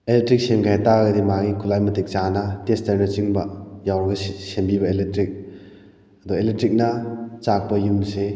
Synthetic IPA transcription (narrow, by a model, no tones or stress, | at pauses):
elek̚tɾik̚semɡʰajtaɡɐdimaɡikʰulajmɐtik̚t͡ʃanɐtestaɾnɐt͡ʃiŋbɐjawɾɡɐsembibɐeletɾik̚ | ɐduelek̚tɾik̚nɐt͡ʃak̚pɐjuŋse